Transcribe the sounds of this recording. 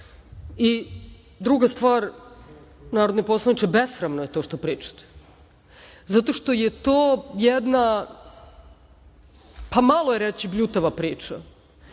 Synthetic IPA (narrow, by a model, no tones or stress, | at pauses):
i | d̪ɾuɡast̪ʋaːɾ | naːɾod̪nepo̞slˠanit͡ʃ̪ebesxɾamnoje̞t̪o̞ːʃt̪opɾiːt͡ʃḁt̪e̥ | zat̪o̞ʃt̪o̞jet̪oːjed̪na | pamalˠojeɾet͡ɕibʎut̪aʋapɾiːt͡ʃa